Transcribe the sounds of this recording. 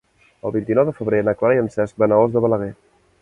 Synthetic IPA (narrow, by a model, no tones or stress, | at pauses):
əlˠβint̪inɔwðəfəβɾeənəklaɾiənsɛsk̚bənaozðəβələɣ̞ɛ